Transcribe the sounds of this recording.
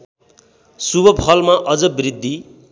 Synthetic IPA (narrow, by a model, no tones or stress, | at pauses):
subʱʌpʰʌlmaʔʌd͡zʌbrid̪ʱːi